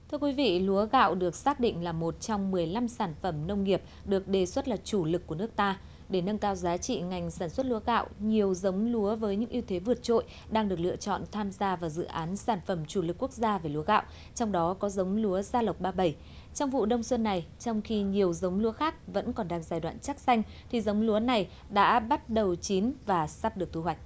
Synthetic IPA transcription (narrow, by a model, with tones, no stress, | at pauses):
t̪ʰɨ˧əkwi˨˦vḭ˧˨lu˨˦əɣa̰ː˧˨wɗɨ˨˩ək̚saː˦˥k̚ɗḭ˧˨ŋ̟laː˨˩mo˨˩t̚t͡ɕɔ˧wŋ͡mmɨ˨˩əjla˧msaː˧˩nfə˧˩mnə˧wŋ͡mŋi˨˩əp̚ɗɨ˨˩ək̚ɗe˨˩swə˦˥t̚laː˨˩t͡ɕu˧˩lɨ˨˩kːu˧˩ənɨ˦˥ək̚t̪aː˧ | ɗe˧˩nə˧nkaː˧wzaː˨˦t͡ɕḭ˧˨ŋa˨˩jŋ̟saː˧˩nswə˦˥t̚lu˨˦əɣa̰ː˧˨wɲi˨˩əwzə˨˦wŋ͡mlu˨˦əvəː˨˦jɲɨ̰˧˥ŋʔi˧wt̪ʰe˨˦vɨ˨˩ət̚t͡ɕo̰˧˨j | ɗaː˧ŋɗɨ˨˩ək̚lɨ̰˧˨ət͡ɕɔ̰˧˨nt̪ʰaː˧mzaː˧vaː˨˩zɨ̰˧˨ʔaː˨˦nsaː˧˩nfə˧˩mt͡ɕu˧˩lɨ˨˩kːu˦˥ək̚zaː˧ve˨˩lu˨˦ə˦ɣa̰ː˧˨w | t͡ɕɔ˧wŋ͡mɗɔ˨˦kɔ˨˦zə˨˦wŋ͡mlu˨˦əzaː˧lə˨˩wk͡p̚ɓaː˧ɓə˧˩j | t͡ɕɔ˧wŋ͡mvṵ˧˨ɗə˧wŋ͡mswə˧nːa˨˩jt͡ɕɔ˧wŋ͡mxi˧ɲi˨˩əwzə˨˦wŋ͡mlu˨˦əxaː˦˥k̚və̰˧˥nkɔ˨˩nɗaː˧ŋzaː˧˩jɗwa̰ː˧˨nt͡ɕa˦˥k̚sa˧jŋ̟ | t̪ʰi˨˩zə˨˦wŋ͡mlu˨˦əna˨˩j | ɗa̰ː˧˥ɓa˦˥t̚ɗə˨˩wt͡ɕi˨˦nvaː˨˩sa˦˥p̚ɗɨ˨˩ək̚t̪ʰu˧hwa˨˩jk̟̚